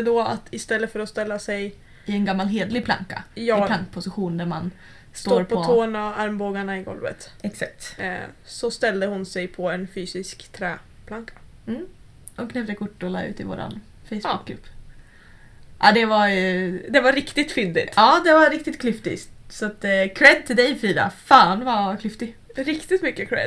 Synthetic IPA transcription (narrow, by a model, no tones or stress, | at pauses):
d̪ɔa̰t̪ɪst̪ɛlːətfœɾɔst̪ɛlːasɛj | ɪɛnɡamːalɦeːd̪lɪɡpʰla̰ŋka̰jɑːaŋkpʰʊsɪɧuːnd̪æɾman | st̪ooːɾpʰɔɔoːnaaɾmboːɡaɳaɪɡɔ̰lvə̰t̪ɛksak̚t̪sɔst̪ɛld̪əhʊnsɛjpʰɔɛnfyːsɪskt̪ʰɾɛː | pʰlaŋkʰḁm̩ː | ɔkʰnɛvd̪əkʰʊʈːɔlɑ̰ːʉ̟̰ːt̪ɪvo̰ːɾa̰n | fɛjsbʊkːlɵ̰pː | ʔa̰ːd̪ɛvajd̪ɛvaɾɪkt̪ɪt̪fʏnd̪ɪ̰t̪ɑːd̪ɛvaɾɪkt̪ɪt̪kʰlʏft̪ɪ̰st̪sat̪ːkʰɾɛd̪̚t̪ʰɪld̪ɛjfyːɾa̰faːnvaɾkʰlʏft̪ɪɾɪkt̪ɪt̪mʏkːəkʰɾɛ̰d̪